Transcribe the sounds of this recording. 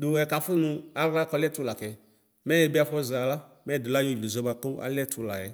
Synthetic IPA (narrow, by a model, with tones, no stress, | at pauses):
dʊ˨ɛ˨ka˨fʊ˦nũ˧a˦a˦kɔ˧lɛ˦tu˦la˨kɛ˨ | mɛ˦ɛ˨˦bi˦a˧fɔ˦za˨la˦ | mɛ˦˨dʊ˨la˦jo˦˨d͡ʒlo˨zɔ˧˦ba˧ko˦a̰˦lɛ˦tʰu˨˦la̰˨jɛ˨